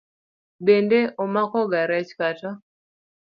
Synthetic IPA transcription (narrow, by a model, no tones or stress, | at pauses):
bendeʔomakɔɡaɾɛt͡ʃkatɔ